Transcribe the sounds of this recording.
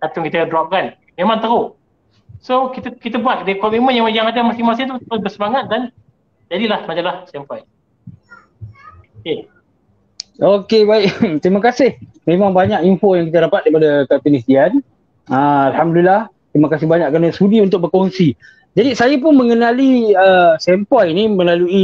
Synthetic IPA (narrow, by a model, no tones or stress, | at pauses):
kat̪ʊŋkit̪ədɾuap̚ɡan | memãŋt̪əɾʊʔ | sokit̪kit̪əbuat̪̚daikɔʔmemənjaŋjaŋadamasimasɪt̪ut̪ʊsbəsəmaŋat̪̚dan | d͡ʒadilahmad͡ʒalahsampaj | oke | okebaɪʔ̚t̪ɾimakasɪh | mẽmãŋbaɲakimfojaŋkit̪aɾapat̪̚daipadakapənist̪ian | əalhamdulilah | t̪ɾimakasɪhbaɲakːɾanəsudiunt̪ʊk̚bərkonsi | d͡ʒadisajap̬ʊnmə̃ŋənaliəsɛmpajnimə̃lalui